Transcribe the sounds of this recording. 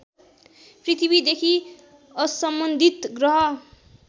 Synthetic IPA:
prit̪ʰibid̪ekʰi | ʌsʌmbʌnd̪ʱit̪ɡrʌɦʌ

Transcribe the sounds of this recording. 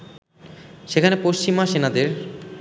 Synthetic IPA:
ʃekʰanepoʃt͡ɕimaʃenad̪eɾ

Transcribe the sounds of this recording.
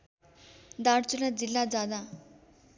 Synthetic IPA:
d̪aɽt͡sunad͡zilːad͡zad̪a

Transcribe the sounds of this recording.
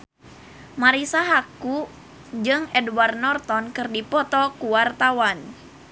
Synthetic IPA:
maɾisaɦaku | d͡ʒɨŋɛdwarnɔrt̪ɔnkɨrdipɔt̪ɔkuwart̪awan

